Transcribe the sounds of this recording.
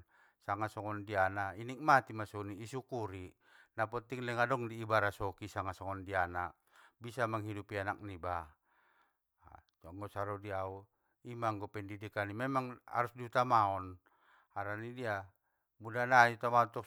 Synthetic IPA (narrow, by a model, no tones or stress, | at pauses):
saŋasɔŋɔndianainik̚mat̪imasuniːsukuɾi | napɔt̪iŋlɛŋadɔŋdiːbaɾasɔkisaŋasɔŋɔndiana | bisamaŋɦidupianak̚niba | t͡ʃɔŋɡɔsaɾɔdiau | imaŋɡɔpɛndidikanimɛmaŋa̰ɾusdiut̪amaɔn | haɾanidia | mudanaiut̪amaɔt̪ɔ